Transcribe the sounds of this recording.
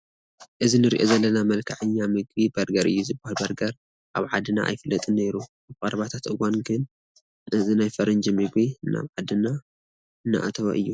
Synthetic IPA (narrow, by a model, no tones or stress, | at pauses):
ʔɨzinɨɾḭʔozɐlːɐnamɐlkʰɐʕɨɲːamɨɡbibɐɾɡɐɾʔɨ̰jːuzɨbːahalbɐɾɡɐɾ | ʔaβʕad̪ɨna̰ʔa̰jfɨlːɐt̪ʼɨnːejɾu | aβkʼɐɾɐβat̪ʰat̪ɨwanɡɨn | ʔɨzinajfɐɾɨnd͡ʒimɨɡbina̰βʕad̪ɨna | ɨnːa̰ʔa̰t̪ʰɐwa̰ʔɨjːu